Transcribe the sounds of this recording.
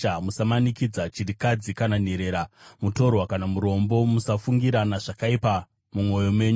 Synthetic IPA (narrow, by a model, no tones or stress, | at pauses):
amusamanikid͡zat͡ʃiɾikad͡zikananeɾe̞ːɾamuto̞rwakanamuɾo̞mbo̞musafuŋɡiɾanaʐakaipa | mumŋo̞jo̞mwe̞ːɲu